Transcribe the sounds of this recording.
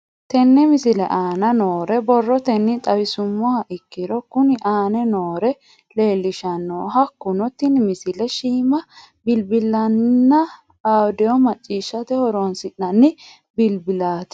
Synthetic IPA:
t̪ɛnːɛmɪsɪlɛ̰ʔaːnɐnoːɾɛbɔrːɔt̪ɛnːɪt̪ʼɐwɪsʊmːɔɐʔɪkːɪɾɔkʊnɪʔaːnɛnoːɾɛ | le̞ːlːɪʃɐnːɔɦɐkːʊnɔt̪ːɪnmɪsɪlɛʃiːmɐ | bɪlbɪlːɐnːɐ | awd̪ɛɔmɐt͡ʃʼːiːʃːɐt̪ɛhɔɾonsɪᶑːɐnːɪ | bɪlbɪlaːt̪

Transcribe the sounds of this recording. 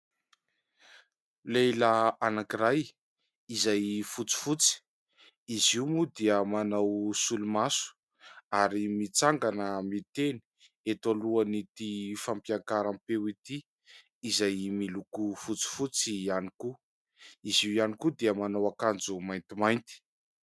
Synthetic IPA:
lelaanakiɾaj | izajfut͡si̥fut͡si̥ | iziumud̪iəmanawsulumasu̥ | aɾimit͡saŋɡanəmit̪eni̥ | et̪aluanit̪ifampjakaɾampewit̪iː | zajmilukufut͡si̥fut͡sianiku | iziwijanikud̪iəmanawakand͡zumajnt̪imajnt̪i̥

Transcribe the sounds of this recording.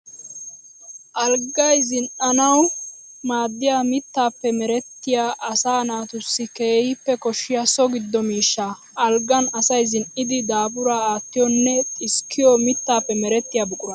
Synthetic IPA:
ʔɐlɡɐjzɪnʔɐnɐw | maːd̪ːɪjamɪt̪ːaːpːɛmɛɾɛt̪ːɪjaːʔɐsaːnaːt̪ʊsːɪke̞ːhɪpːɛkɔʃːɪjɐsɔɡɪd̪ːɔmiːʃːa | ʔɐlɡɐnɐsɐjzɪnʔɪd̪ɪd̪aːbʊɾaːaːt̪ːɪjɔnːɛɪskʰːɪjɔmɪt̪ːaːpːɛmɛɾɛt̪ːɪjaːbʊkʼʊɾɐ

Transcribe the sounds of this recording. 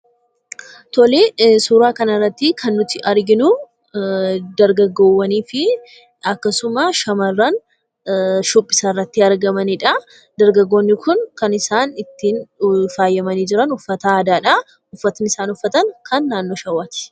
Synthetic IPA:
t̪ɔleːsuːɾaːkɐnɐrːɐt̪ːɪkʰɐnːʊt̪ɪʔɐɾɡɪnʊ | d̪ɐɾɡɐɡoːwːɐniːfɪ | ɐkːɐsʊmɐʃɐmɐrːɐn | ʃʊpʼːɪ̥sɐrːɐt̪ːɪɐɾɡɐmɐnɪᶑɐ | d̪ɐɾɡɐɡːoːnːɪkʊnkɐnɪsaːnɪt̪ːiːnfaːjːɐmɐniːd͡ʒɪɾɐnʊfːɐt̪aːd̪aːᶑɐ | ʊfːɐt̪ɐnɪsaːnʊfːɐt̪ɐnkʰɐnːaːnːoːʃɐwːaːt̪ɪ̥

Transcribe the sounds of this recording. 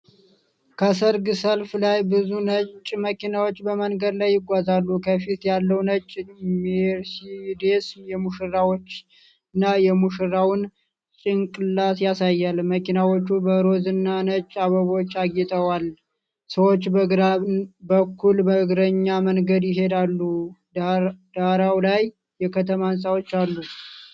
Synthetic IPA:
kʰəsəɾɡɨsəlflajbɨzunət͡ʃʼːməkinawo̞t͡ʃːbəmənɡəd̪lajːɪɡʷazalːukʰəfit̪jalːəwnət͡ʃʼːmeɾsid̪esjɛmuʃɨɾawot͡ʃː | ɨnːajɛmuʃɨɾawʊn | t͡ʃʼɪnkʼɨlːasjasajːalməkʰinawo̞t͡ʃːubəɾo̞zɨnːanət͡ʃʼːaβəβot͡ʃːaɡɛt̪ʼəwal | səwot͡ʃːbəɡɾabəkʰːulbəɡɾəɲːamənɡəd̪jɪɦe̞d̪alːu | d̪aɾawlajː | ɛkʰət̪ʰəmansʼawo̞t͡ʃːalːu

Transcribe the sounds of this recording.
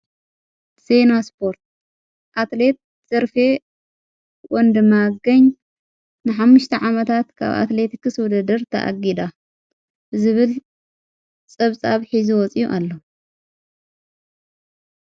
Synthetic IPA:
senaspʰo̞ɾt̪̚ | ʔat̪le̞t̪̚ | z̥ɐɾfe | wɔnd̪ɨmaɡɐɲ | nɨħamːuʃt̪ʰɐʕamɐt̪ʰat̪kʰa̰βa̰t̪le̞t̪ikɨswɔd̪ɐd̪ɐɾt̪ʰɐ̰ʔa̰ɡid̪a | bɨzɨβɨl | t͡sʼɐβt͡sʼaβħizuwɔt͡sʼijuʔalːo

